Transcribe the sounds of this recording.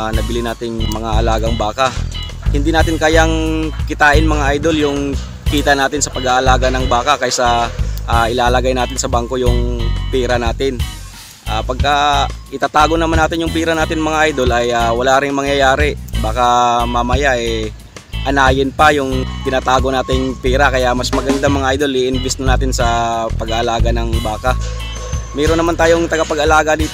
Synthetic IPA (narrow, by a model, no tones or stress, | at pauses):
nɐbɪlɪnaːt̪ɪŋmɐŋaʔɐlaːɡɐŋbaːka | hɪnd̪iːnaːt̪ɪnkajaŋkɪt̪aːʔɪnmɐŋaʔajd̪o̞ljʊŋ | kiːt̪ɐnaːt̪ɪnsɐpɐɡaʔɐlaːɡɐnɐŋbaːkakɐjsɐʔaʔɪlaːlɐɡajnaːt̪ɪnsɐbaŋko̞jʊŋpiːɾɐnaːt̪ɪn | ʔaːpɐɡ̚kaʔɪt̪aːt̪aːɡonɐmanːaːt̪ɪnjʊŋpiːɾɐnaːt̪ɪnɐmɐŋaʔajd̪o̞lʔɐjawɐlaːɾɪŋmɐŋjɐjaːɾɪbaːkɐmamɐjaʔɛ | ʔɐnaːjɪnpɐjʊŋp̪ɪnat̪aːɡo̞naːt̪ɪŋpɛːɾɐkɐjaʔmɐsmɐɡɐnd̪amɐŋaʔajd̪o̞liʔɪnbɛsnɐnaːt̪ɪnsɐpɐɡɐʔɐlaːɡɐnɐŋbaːka | mɛːɾonːɐmant̪aːjoŋt̪ɐɡapɐɡɐlaːɡɐd̪iːt̪